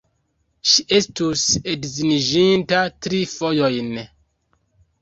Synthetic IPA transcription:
ʃiʔe̞stusedziniʒintatɾifo̞jo̞jn

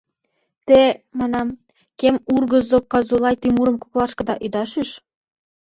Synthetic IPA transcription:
t̪emɑnɑm | kemurɣɤ̆zokɑzulˠɑjt̪imuɾɤ̆mkuklˠɑʃkɤ̆d̪ɑʔyd̪ɑʃyʃ

